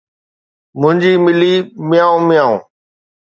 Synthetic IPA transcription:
mʊ̃ɦɪ̃ɲd͡ʑiːmɪliːmɪjãːũːmɪjaːṵ̃ː

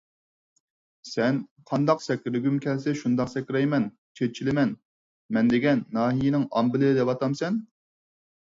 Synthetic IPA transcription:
sɛnqʰɑnd̪ɑqsɛkʲɾɪɡʲymkʲʰɛlsɛʃund̪ɑqsɛkʲɪɾɛjmɛn | t͡ʃʰet̪̚t͡ʃʰilɪmɛn | mɛnd̪ɪɡʲɛnːɑːɦijinɪŋɑmbɪlɪɪd̪ɛpɑt̪ʰɑmsɛn

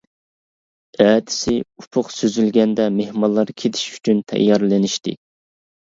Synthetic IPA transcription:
ɛːd̪ɪ̥sɪupʰʊqsøzylɡʲɛnd̪ɛmehmɑlˠːɑɾkʲʰet̪ʰi̥ʃy̥t͡ʃʰynt̪ʰɛ̰jːɑɾlɪnɪʃt̪ɪ

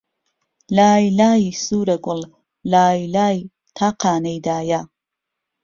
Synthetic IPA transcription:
laːjlaːjisuːɾɐɡʷʊl | laːjilaːj | t̪ʰaːqʰaːnejd̪aːja

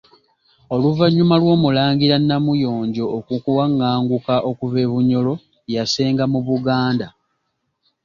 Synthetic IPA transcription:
o̞luvaɲːumalwo̞ːmulaːɲɡiɾanːamujo̞ːɲɟo̞ːkukuwaŋːaːŋɡukaʔo̞kuve̞βuɲo̞lo̞ | jase̞ːŋɡamuβuɡaːnda

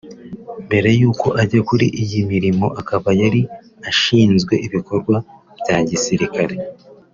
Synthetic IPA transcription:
mbe̞ɾe̞juːko̞ʔaɟakuɾiʔijimiɾimo̞ʔakaβajaɾi | aʃiːnzɡwe̞ʔiβiko̞ɾɡwa | β̥jaːɟisiɾikaɾe̞

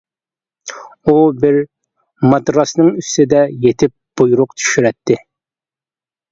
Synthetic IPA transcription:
ubɪɾ | mɑd̪ɾɑsnɨŋyst̪ɪd̪ɛjet̪ʰɪp̚b̥ujuɾʊqt̪ʰy̥ʃyɾɛt̪ʰːɪ

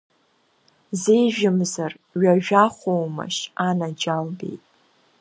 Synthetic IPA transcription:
zejʒᶣɪmzar | ɥaʒᶣaχʷowma̰ʃanad͡ʒalbe̞̰jtʼ

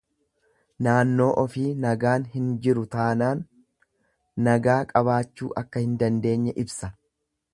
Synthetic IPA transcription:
naːnːo̞ːʔɔfiːnɐɡaːnhɪnd͡ʒɪɾʊt̪aːnaːn | ɐɡaːkʼɐβaːt͡ʃːuːʔɐkːɐhɪnd̪ɐnd̪e̞ːɲːɛʔɪbsɐ

